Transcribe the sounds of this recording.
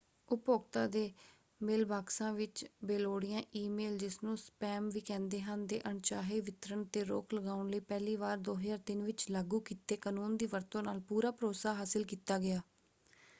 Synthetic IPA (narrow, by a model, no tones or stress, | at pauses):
ʊpoːkt̪ãːd̪eː | mɪlbaːksãːʋɪt͡ʃbeːloːɽɪjãːʔiːmeːld͡ʒɪsnũːspɛːmʋiːkɛ̃ːnd̪eːɦənd̪ḛːʔəɳt͡ʃaːɦeːʋɪt̪ɾəɳt̪eːɾo̰ːkləɡaːʊɳləiːpɛːliːʋaːɾd̪oːɦəzaːɾt̪ɪnʋɪt͡ʃləɡuːkiːt̪eːkaːnuːnd̪iːʋəɾt̪õːnaːlpuːɾaːpəɾoːsaːɦaːsɪlkiːt̪aːɡɪaː